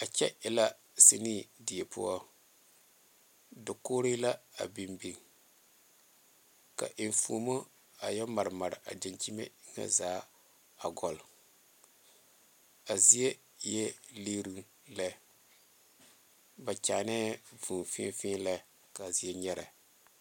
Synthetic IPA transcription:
a˨t͡ʃɛ˦ɪ˨la˦ | si˨ni˦˨di˨e˨pʊ˦ɔ˦ | dɪ˨koː˦ɾi˦la˦a̰˨bi˨mbi˨ŋ | ka̰˨ʔɪ˨ɱfṵ˨mo˦ | a˨jɛ˦ma˨ɾɨ˨ma˨ɾɪ˨ʔa̰˨dɪ˨nt͡ʃi˦mḛ˦ŋa̰˦zaː˦ | a˨ɡɔ˨l | a˨zi˦e˦ | jɛ˦le˦ɾu˦ŋ | lɛ˦ | ba˨t͡ʃa˨nɛː˦vuː˨nfɪ̰˦fɪ̃ː˦nla˦ | ka˨zi˦ɛ˦ɲɛ˦ɾa̰˨

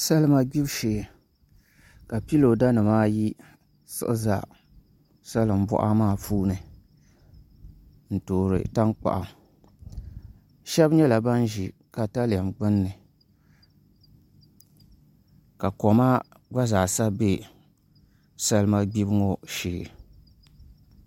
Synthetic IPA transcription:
sa˦lma˦ɡ͡bi˦bʃeː˨ | ka˨pi˦lo˨da˦nɨ˨maː˦ji˦ | sɨ̰˦ʔɨ˦za̰˨ | sa˦lɨ˨m̩˨bɔ̰˦ʔa˦maː˦˨fuː˦nɨ˨ | n̩˨toː˨ɾɨ̰˨ta˦ŋk͡pa̰˨ʔa˨ | ʃɛ˦bɲɛ˦la˨ba˦nʒi˨ | ka˨ta˦la˨mɡ͡bɨ˦nːɨ˨ | ka˨kɔ˨ma˦ | ɡ͡ba˦za˨sa˦be˦ | sa˦lɨ˦ma˦ɡ͡bi˦bɨ˦ŋo˦ʃiː˨

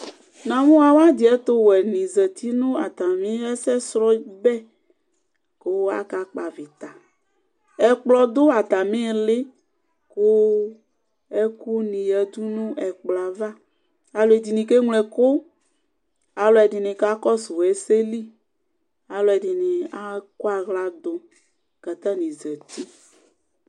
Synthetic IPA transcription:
nã˨mõ˦a˨wa˦d̪i˨ɛ˦t̪o˦wɛ˨nĩ˨zɛ˨t̪ʰi˦nũ˦a˨t̪a˨mĩ˦ɛ˦sɛ˦sɾɔ˦bɛ˦ | ko˦wo˦a̰˦ka˨k͡pa˨vi˨t̪a˨ | ɛ˨k͡plɔ˨d̪o˦a˨t̪a˨mĩ˦˨le˦ | ko˦ | e˦ku˦nĩ˨jɛ˨d̪u˦nũ˦ʔɛ˨k͡plɔ˨a˨va˦ | a˨lo˨ɛ˨d̪i˨nĩ˨ke˦ŋlɛ˨ko˦ | a˨lɔ˨ɛ˨di˨nɪ̃˨ka˦kɔ˦so˨ɛ˦se˦li˦ | a˨lɔ˨ɛ˨di˨nĩ˨a˦ko˦a˨ɣla˨d̪o˨ | ka˨t̪a˦nĩ˨zɛ˨t̪i˦

